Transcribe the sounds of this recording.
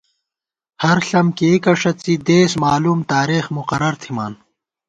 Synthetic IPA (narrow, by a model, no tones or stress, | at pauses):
hɐɾɬɐmkekɐʂɐt͡sid̪eːsmaːluːmt̪aːɾeːxmuqɐɾɐɾt̪ʰima̰ːn